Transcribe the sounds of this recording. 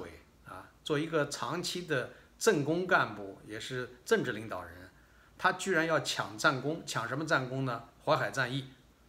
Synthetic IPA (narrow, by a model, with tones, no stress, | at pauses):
ḛ˨˩ɪ | ɐ̰˧t͡swɔ˥˩i˧˥ɡə˧t͡sʰɑ˧˥ŋt͡ɕʰi˥d̪ə˨ | ʈ͡ʂə˥˩ŋkʊ˥ŋka˥˧npu˥˩jɛ˨˩ʂɻ̩˥˧ʈ͡ʂɤ˥˧ŋʈ͡ʂɻ̩˥˩li˧˥ŋt̪ɑ˨˩ʊɻə˧˥n | t̪ʰa˥t͡ɕy˥˩ɻa˧˥njɑ˥˩ʊt͡ɕʰjɑ̰˨˩ŋt͡sa˥˩nkʊ˥ŋt͡ɕʰjɑ˨˩ŋʂə˧˥nmə˧t͡sa˥˩nkʊ˥ŋnə˨xwa˧˥ɪxa˨˩ɪt͡sa˥˧ni˥˩